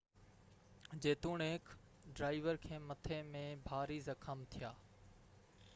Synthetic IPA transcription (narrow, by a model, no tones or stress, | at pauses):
d͡ʑeːt̪uːɳeːk | ɖɾaːɪʋəɾkʰẽːmɐt̪ʰeːmẽbʱaːɾizɐkʰəmt̪ʰijaː